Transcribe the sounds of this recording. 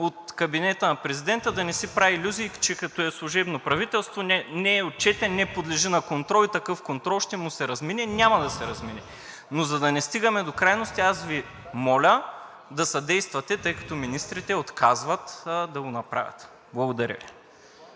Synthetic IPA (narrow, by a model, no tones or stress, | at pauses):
ot̪kɐbinɛt̪əɐnɐpɾɛzid̪ɛnt̪əd̪ɐnɛsipɾavilʲuzikt͡ʃɛkɐt̪ɔɛslˠuʒɛbnopɾɐvit̪ɛlˠst̪vonɛnɛːot̪̚t͡ʃɛt̪ɛnnːɛpod̪lɛʒinɐkont̪ɾɔlˠit̪ɐkɤfkont̪ɾɔlˠʃt̪ɛmusɛɾɐzminɛnʲamɐd̪ɐsɛɾɐzminʲɛ | nozɐd̪ɐnɛst̪iɡɐmɛd̪okɾajnost̪iasvi | mɔlʲə | d̪ɐsɐd̪ɛjst̪vɐt̪ɛt̪ɤjkɐ̥t̪ɔminist̪ɾit̪ɛot̪kʰazvɐt̪d̪ɐɡonɐpɾa̰vʲɐ̰t̪ | blˠɐɡod̪ɐɾʲə̰vḭ